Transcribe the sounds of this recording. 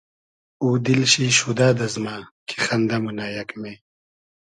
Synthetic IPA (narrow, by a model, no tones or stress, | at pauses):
uːd̪ilɕiɕud̪aːd̪ɐzmaːkʰi̥xɐnd̪ɐmunaːjɐkmeː